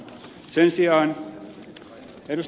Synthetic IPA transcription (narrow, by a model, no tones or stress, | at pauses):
sensiɑːn | eɾus